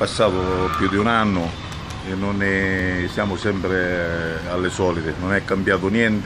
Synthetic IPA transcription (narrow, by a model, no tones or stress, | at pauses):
pasːaːt̪ʊpjud̪iunanːʊ | enːʊnɛsjaːmʊsɛmpɾe | alːɪsɔːlit̪ɪnʊnɛkːambjaːt̪ʊnjɛnt̪